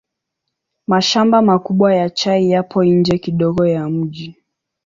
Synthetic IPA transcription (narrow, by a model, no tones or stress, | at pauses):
maʃambamakuɓwajat͡ʃaijapʰɔiɲd͡ʒɛkiɗɔɠɔjam̩ʄi